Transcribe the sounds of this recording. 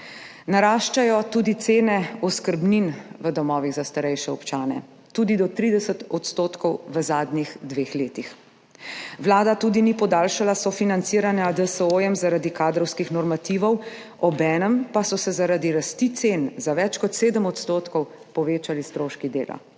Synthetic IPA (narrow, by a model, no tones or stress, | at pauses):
naɾaːʃt͡ʃajɔt̪uːd̪it̪seːnɛɔskəɾbninʋəd̪ɔmɔːʋiɣzast̪aɾɛjʃɛɔpt͡ʃaːnɛ̰ | t̪uːd̪id̪ɔt̪ɾiːd̪ɛsət̪ɔt̪st̪oːt̪kɔwʋəzaːd̪nixd̪ʋeːxleːt̪ix | ʋlaːd̪at̪uːd̪iniːpɔd̪aːlʃalasɔfinant̪siːɾanjad̪əsəoːjɛmzaɾad̪ikaːd̪ɾɔwskixnɔɾmat̪iːʋɔw | ɔbɛːnəmpasɔsɛzaɾad̪iɾast̪it̪senzaʋɛt͡ʃkɔt̪seːd̪əmɔt̪st̪oːt̪kɔw | pɔʋeːt͡ʃalist̪ɾoːʃkid̪eːla̰